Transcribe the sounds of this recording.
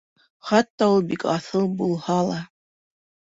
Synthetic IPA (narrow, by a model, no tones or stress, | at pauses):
χɑt̪ːɑulˠbikɑθɤlˠbulˠhɑlˠɑ